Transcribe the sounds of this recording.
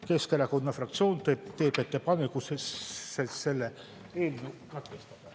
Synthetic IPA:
ke̞skelɑkonːɑfrɑk̚t̪sioːnt̪et̪eːpet̪ːepɑnekuseseselːe | elmukɑt̪kest̪ɑ̥t̪

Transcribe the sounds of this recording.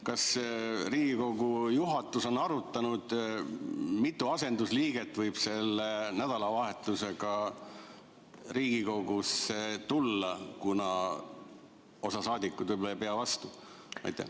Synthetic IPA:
kɑsriːɡ̥iko̞ɡujuɦɑt̪ːˑuso̞nːɑɾut̪ːˑɑnud̪̥ | mit̪ˑːuɑse̞nd̪usliːɡ̥et̪ːˑvɤjb̥se̞lːenæd̪̥ɑlɑvɑɦe̞t̪ːˑuse̞ɡɑ | riːɡ̥iko̞ɡ̥uset̪ulːɑkunɑ | o̞sɑsɑːd̪ʲikːˑud̪̥vɤjbolɑejpeɑvɑst̪u | ɑ̰jt̪ːˑæ̰

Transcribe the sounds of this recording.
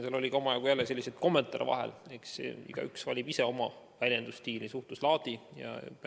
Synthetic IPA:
selo̞lʲiko̞mɑjɑɡ̥ujælːese̞lʲːise̞d̪̥̚ko̞mːe̞nt̪ˑɑɾḭvɑ̰ɦḛleksḛḭɡ̥ɑ̰yksvɑlʲib̥iseo̞mɑ | vælʲje̞nd̪̥ust̪iːlisuht̪uslɑːd̪̥ijɑ̰

